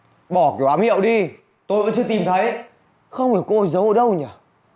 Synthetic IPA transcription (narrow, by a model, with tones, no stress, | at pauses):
ɓɔ˧˩ki˨˦wʔaː˨˦mhḭ˧˨wɗi˧ | t̪o˧jva̰˧˥ŋt͡ɕɨ˧t̪i˨˩mt̪ʰə˨˦j | xə˧wŋ͡mhi˨˩wko˧˨˩jzə˨˦wʔəː˧˩ɗə˧wɲaː˨˩